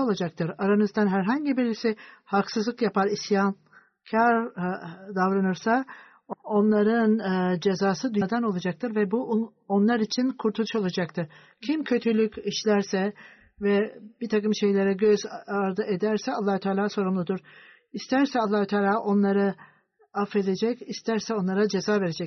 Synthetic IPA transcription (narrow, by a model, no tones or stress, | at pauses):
olˠad͡ʒak̚t̪ʰɯɾaɾanɯzd̪anɦæɾɦaɲɟibiɾlʲisihaksɯzlˠɯkjapaɾisjan | cʰaɾ | d̪avɾanɯɾsa | o̞nlˠaɾɯnɯd͡ʒe̞zaːsɯd̪yd̪ano̞lˠad͡ʒakt̪ʰɯɾvɛbu | onlˠaɾit͡ʃʰinkʰuɾt̪ʰulˠu̥ʃo̞lˠad͡ʒakt̪ʰɯɾ̥ | cʰimcʰø̞t̪ʰylʲycʲiʃlʲæɾsɛ | vɛb̥it̪ʰakɯmʃe̞jlʲe̞ɾɛɟøzaɾd̪ɯʔed̪æɾsɛalˠːaːhut̪ʰaːlʲaːso̞ɾumlˠud̪uɾ̥ | ist̪ʰæɾsɛalˠːaːhut̪ʰaːlʲaːʔo̞nlˠaɾɯ | afe̞d̪e̞d͡ʒɛcist̪ʰæɾsɛo̞nlˠaɾad͡ʒe̞zaːve̞ɾed͡ʒɛc̚